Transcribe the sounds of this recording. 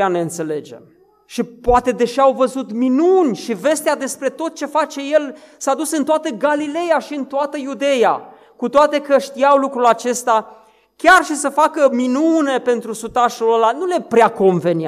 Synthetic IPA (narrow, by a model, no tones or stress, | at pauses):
ane̞ɨnt̪se̞le̞d͡ʒḛm | ʃipoat̪e̞d̪e̞ʃiawvəzut̪minunʲʃive̞st̪ead̪e̞spɾe̞t̪o̞t̪̚t͡ʃe̞fat͡ʃe̞je̞lsad̪usɨnt̪oat̪əɡalile̞jaʃiɨnt̪oat̪əjud̪e̞ja̰ | kut̪oat̪e̞kəʃt̪iawlukɾulat͡ʃe̞st̪a | kʲarʃisəfakəminune̞pe̞nt̪ɾusut̪aʃulolanule̞pɾeako̞nve̞ni